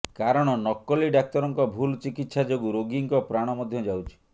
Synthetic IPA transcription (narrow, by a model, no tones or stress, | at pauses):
kaɾɔɽ̃ɔnɔkːɔliɖak̚t̪ɔɾɔŋkɔbʱult͡ʃikit̪ːʃad͡ʒoɡuɾoɡiŋkɔpɾaɽ̃ɔmɔd̪ʱjɔd͡ʒawt͡ʃʰi̥